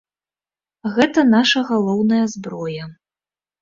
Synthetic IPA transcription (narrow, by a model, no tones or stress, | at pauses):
ɣɛt̪ɐnaʂɐɣalˠɔwnɐjɐzbɾɔjɐ